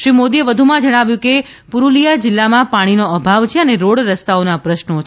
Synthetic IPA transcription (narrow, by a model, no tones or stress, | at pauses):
ʃɾimod̪ieʋəd̪ʱumãd͡ʒəɽ̃aʋjũke | puɾulijad͡ʒɪlːamãpaɽ̃inoəbʱaʋt͡ʃʰeəneɾoɽɾəst̪aonapɾəʃnot͡ʃʰ